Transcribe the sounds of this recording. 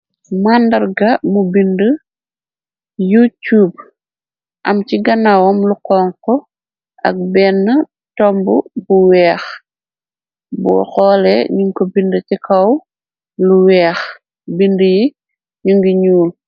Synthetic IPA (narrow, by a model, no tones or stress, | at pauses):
mandɐrɡɐmubində | jutuːb̚ | ʔɐmciɡɐnawɔmlukɔŋkɔ | ʔɐ̰k̚bɛnːə | tɔmbubuwɛːx | bɔ̰xɔːlɛɲuŋkobindəcikʰɐw | luwɛːx | bindəji | ɲuŋɡiɲuːl